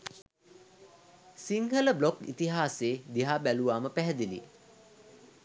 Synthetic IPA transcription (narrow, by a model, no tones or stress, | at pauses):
siŋɡələblokḭt̪iɦaːseːd̪iɦaːbæluʋaːməpæɦɛd̪ilḭ